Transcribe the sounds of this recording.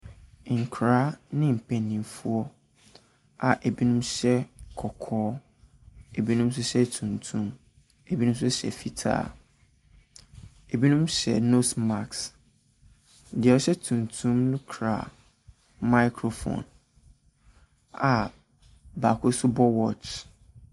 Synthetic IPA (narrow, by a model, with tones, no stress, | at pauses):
ŋ̩˨kʰɾaː˦nɪ̃˦m̩˨pʰɛ̃˨nːĩ˨mfu˦ɔ˦ | a̰˨ʔe˨bi˦nũ˦mɕɛ˦kʰɔ˨kʰɔː˦ | e˨bi˦nũ˦ms̬ʊ˦ɕɛ˦tʰũ˨ntʰũ˦m | e˨bi˦nũ˦m˦sʊ˦ɕɛ̰˨fi˦tʰa̰ː˦˨ | e˨bi˦nũ˦mɕɛ̰˨no˦sma˨ks | dɪ˨ɛ˨ɔ˦ɕɛ˦tʰũ˨ntʰũ˦mnʊ̃˦kʰɾa̰˨ | ma˦ɪ˦kʰɾo˨fõ̰˨n | a˨ | ba˨kʰʊ˦sʊ˦bɔ˦wɔ˦t͡ʃ